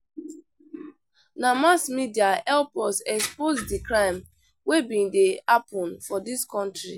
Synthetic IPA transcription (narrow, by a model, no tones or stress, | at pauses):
namasmidiaɛlpɔsɛkspozdikɾãɪ̃m | webĩndeapɔ̃nfɔdiskɔ̃ntɾi